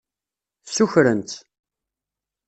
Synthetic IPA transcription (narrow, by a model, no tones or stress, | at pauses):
θsuçɾənt̪